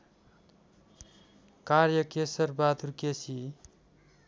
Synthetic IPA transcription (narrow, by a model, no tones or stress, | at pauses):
kaɾjʌkesʌrbad̪ʱurkesi